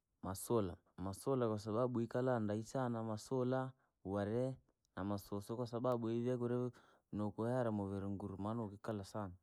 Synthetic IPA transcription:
masola | masolakwas̬aɓaɓuikalandaisanamasola | waɾɛ | namasosokwasaɓaɓuiβɛkuɾɛ | nokoaɾamovɛɾeŋɡuɾumanokikalasana

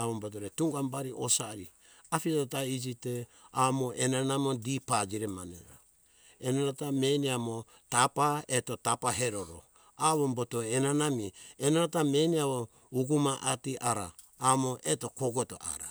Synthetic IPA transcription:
aβombot̬oɾetuŋɡambaɾiʔosaɾi | afitotaid͡ʒiteamoʔenanamodipad͡ʒiɾemanḛɾo̰ | enaɾatameniamo | tapaetotapaɦeɾoɾo̰ | aβombotoenanamienaɾatameniaβo | uɡumaʔatiʔaɾa̰ː | moʔeto̞koɡoto̰ʔa̰ɾa

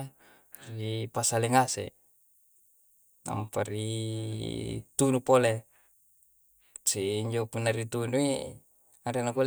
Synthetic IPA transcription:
ripasaleŋasḛ | na̰mpari | t̪unupole | siɲd͡ʒopunːaɾit̪unuḛ | aɾenakul

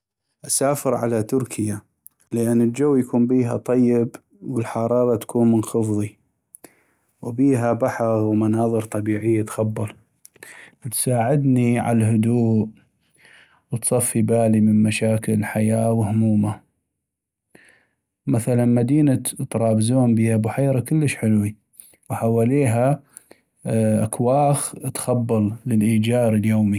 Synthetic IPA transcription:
ʔasaːfɪɾʕa̰lat̪ʊɾkʰɪja | ləʔanːəld͡ʒawːjakuːmbiːɦa̰t̪ˤɑjːɪb | wəlħɑɾˤɑːɾˤɑt̪ḁkʰuːnmənxʊfðˤi | wbiːɦabaħɑɣwmanɑːðˤɨɾt̪ˤɑbiːʕɪjːat̪xɑbːɑl | t̪saːʕɪd̪niʕa̰lhʊd̪uːʔ | wət̪sˤɑfːibaːlimənmaʃaːkəlħajaːwhʊmuːma | maθalanmad̪iːnat̪ɾˤɑːbzoːmbiːhabʊħeːɾˤakɪlːəʃħɪlwi | wħawaːliːɦa | ʔakwaːxt̪xabːɑlləlʔiːd͡ʒaːɾəljoːmi

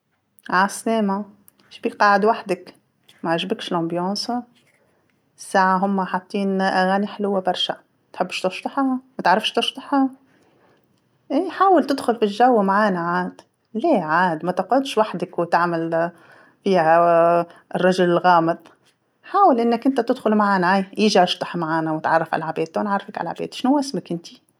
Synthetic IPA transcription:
ʕasleːma | ʃbiqɑːʕɪd̪waħd̪ak | maʕɪʒbɪkʃɪlʔɑmbjoːsˤ | sːaːʕaɦʊmːaħat̪ˤːiːnʔaɣaːniħɪlʊwːabɑɾˤʃa̰ | t̪ħɪbːʃt̪ʊfʃt̪ˤɑħhamat̪ʕɾˤɑfʃt̪ɨʃt̪ˤɑħha | ʔeːħaːwalt̪ɪd̪xʊlfiʒːawːmaʕaːnaʕaːd̪̥ | leːʕaːd̪mat̪ɑqʕʊd̪ʃwaħd̪akwɪt̪ɪʕmal | fiːha | rˤːɑʒʊlɪlɣaːmɪt̪ˤ | ħaːwalʔɪnːakʔɪnt̪at̪ɪd̪xʊlmaʕaːnaʕaːjjiːʒiʔɑʃt̪ˤɑħmaʕaːnawɪt̪ʕɑ̰rˤːɑfʕa̰lʕabeːd̪anʕɑrˤːɑfakʕa̰lʕa̰bḛːd̪ʃnuwːʔɪsmakʔɪnt̪i̥

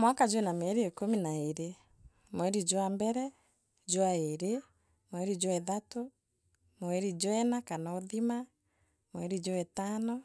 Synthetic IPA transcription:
mwakad͡ʑoenamɛɾiekominaeɾe | mwɛɾid͡ʒwambɛɾɛ | d͡ʒowaeɾe | mwɛɾid͡ʒwɛðato | moɛɾid͡ʒwɛnakanaoðima | mwɛɾid͡ʑɔɛtanɔ

